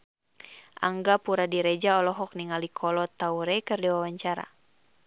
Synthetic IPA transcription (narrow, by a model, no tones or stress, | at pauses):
ʔa̰ŋɡapuɾadiɾɛd͡ʒaɔlɔɦɔk̚niŋalikʰɔlɔt̪auɾɛkɨrdɛwawaɲt͡ʃaɾa̰